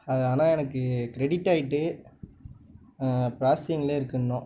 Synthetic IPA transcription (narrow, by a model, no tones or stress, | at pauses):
ɐðɯaːnãːɛnɐkːɯkɪɾɛɽɪʈːaːjɪʈːɯ | pɾaːsɪjɐŋɡɐɭeːɪɾɯkːɐɳːõː